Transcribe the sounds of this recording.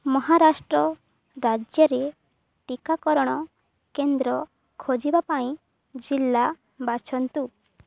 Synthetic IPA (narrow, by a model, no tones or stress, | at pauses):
mɔɦaɾasʈɾɔ | ɾad͡ʒjɔɾe | ʈikakɔɾɔɽ̃ɔ | kend̪ɾɔ | kʰod͡ʒibapaĩ | d͡ʒilːa | bat͡ʃʰɔnt̪u